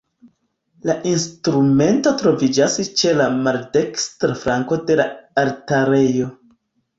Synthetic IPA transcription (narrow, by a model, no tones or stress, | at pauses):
laʔinstɾume̞nto̞tɾo̞vid͡ʒast͡ʃe̞lamalde̞kstɾafɾaŋko̞de̞laaɾtaɾe̞jo̞